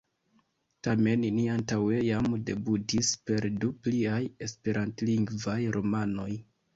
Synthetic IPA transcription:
tame̞nniantawe̞jamde̞butispe̞ɾdupliaje̞spe̞ɾʔantliŋɡvajɾʔo̞mano̞j

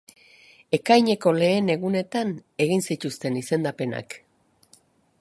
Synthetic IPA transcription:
e̞kajɲe̞ko̞le̞ːne̞ɣune̞t̪ane̞ɣinsit̪ust̪e̞nise̞nd̪ape̞na̰k

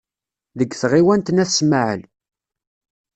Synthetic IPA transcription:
ðəɡːθʁiwænt̪næθsmaʕə̰l

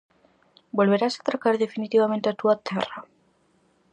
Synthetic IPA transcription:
bo̞lβ̞e̞ɾasat̪ɾakaɾðe̞finit̪iβ̞ame̞nt̪eat̪uat̪ʰera

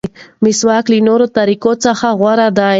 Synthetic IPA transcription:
mɪswɑklinoɾot̪aɾikot͡səxaɣwaɾad̪a

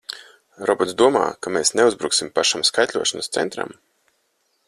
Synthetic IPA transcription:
ɾɔbɔt̪d̪uɔma̰ːkameːsneuzbɾuːksimpaʃamskajt̪ʲlʲuɔʃanst̪sɛ̰nt̪ɾa̰m

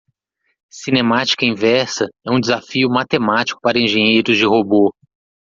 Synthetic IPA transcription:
sinẽmat͡ʃi̥kɐĩvɛɾsɐɛũd͡ʒɪzafiʊmat̪emat͡ʃi̥kʊ̥paɾɐẽʒẽɲejɾʊzd͡ʒɪɦobo

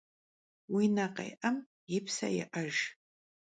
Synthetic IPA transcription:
winaqʼa̰jʔəm | jɪpʰsa̰jɪ̰ʔaʒ

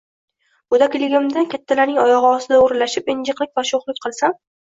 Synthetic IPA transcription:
bʊd̪akʲlɪɡʲɪmd̪akʲʰat̪ʰːalaɾnɪŋɒjɒʁɨɒsɪd̪aoɾlaʃɪpɪnd͡ʒɨqlˠɪkʲvaʃoχlˠɪk̚ʲqʰɨlˠsam

